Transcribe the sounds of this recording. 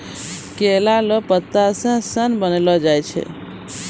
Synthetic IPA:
kelalɔpət̪ːasə̃sənbənelɔd͡ʒajt͡ʃʰɛ̰

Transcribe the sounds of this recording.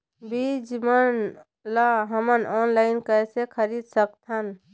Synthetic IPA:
bid͡ʒmən | laɦəmənɔːnlaɪnkəsekʰəɾid̪sək̚t̪ʰən

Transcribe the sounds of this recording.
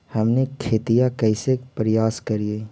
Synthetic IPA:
hɐmnekʰːeːt̪ijakɐɪsepɾɪjaːskɐɾieː

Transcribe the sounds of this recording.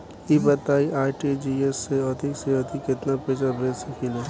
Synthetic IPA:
iːbɐt̪aːiʔaːɾʈid͡ʒiːesːeɐd̪ʱɪkseɐd̪ʱɪkɪt̪napeːt͡ʃabʱeːsekʰiloː

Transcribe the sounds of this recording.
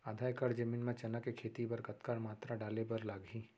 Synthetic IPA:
aːd̪ʱaːjkəɾd͡ʒɐmiːnmẽt͡ʃɐnəkekʰeːt̪ibɐɾkɐt̪kaɾmaːt̪ɾaɖaːlebɐɾlaːɡɦĩː

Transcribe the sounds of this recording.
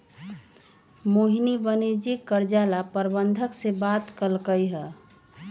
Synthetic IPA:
moɦinibəned͡ʒekəɾd͡ʒalapəɾbənd̪ʱəksebat̪kəlkəjɦɛ

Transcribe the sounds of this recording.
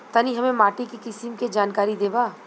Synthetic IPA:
pt̪aːniɦɐmẽmaːʈikikɪsimked͡ʒaːnkaːɾid̪eːbaː

